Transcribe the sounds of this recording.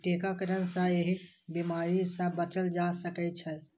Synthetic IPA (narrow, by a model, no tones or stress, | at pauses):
ʈeːkakəɾənsəeɦibimaːɾisəbət͡ʃəld͡ʒasəkɛt͡ʃʰɛ